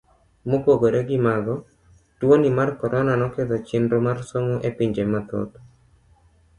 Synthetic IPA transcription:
mokoɡoɾeɡɪmaɡɔ | twonimarkɔɾʔɔnanɔked̪ot͡ʃɪndomarsoŋoʔepiɲd͡ʒemat̪o̰t̪

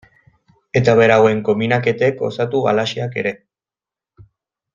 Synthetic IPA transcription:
e̞t̪aβe̞ɾawe̞ŋko̞minake̞t̪e̞ko̞̰sat̪uɣa̰laʃiake̞̰ɾe̞

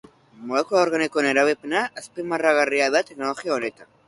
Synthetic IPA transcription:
molekulaoɾɣanikoneɾaβepnaʔaspimaraɣariaðat̪eknoloxjaonet̪a

